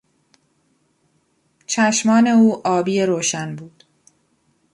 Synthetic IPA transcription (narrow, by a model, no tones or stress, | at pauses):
t͡ʃʰæʃmɒːne̞uːʔɒːbiːeɾoːʃænbuːd̪̥